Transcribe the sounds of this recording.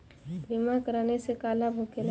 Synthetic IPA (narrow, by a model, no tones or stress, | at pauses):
bimakəɾaːnesekaːlabʱokela